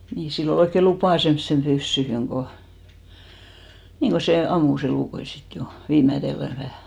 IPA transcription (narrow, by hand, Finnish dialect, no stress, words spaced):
niːn silː ol oikːe lupɑˑ semsːem b̥ysːyhyŋ ko niːŋ ko se ɑmːus eluˑkoi sit jo ʋiːmætelːæ ʋæhæˑ